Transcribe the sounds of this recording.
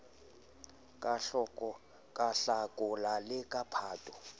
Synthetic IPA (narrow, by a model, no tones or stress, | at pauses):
kʼa | kʼaɬakʼɔlalɪkʼapʰaːtʼɔ̥